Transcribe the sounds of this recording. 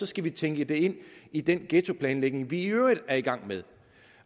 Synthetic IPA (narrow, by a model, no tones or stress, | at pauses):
ɒ̽sɡ̥æʋit͡sʰeŋɡ̥əd̥e̝e̝n̰id̥enɡ̥eːt͡sʰo̝pʰlɛːnleɡ̥ne̝ŋʋiøɐiðˠæɐiɡ̥ɑ̈ŋ̰með̞ˠ